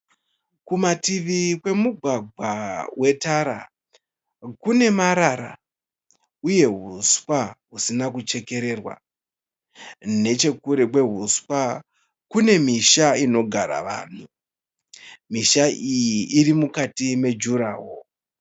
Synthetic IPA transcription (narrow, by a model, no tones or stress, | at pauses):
kumatiʋikwe̞muɡʱwaɡʱwawʔe̞taɾa | kune̞maɾaɾa̰ | uje̞ɦuswaɦusinak̬ut͡ʃe̞ke̞ɾe̞rwa̰ | ne̞t͡ʃe̞kuɾekwe̞ɦuswa | kune̞miʃaino̞ɡʱaɾa̰ʋa̰ːn̤u | miʃaijiʔiɾimukatime̞d͡ʒuɾaːwo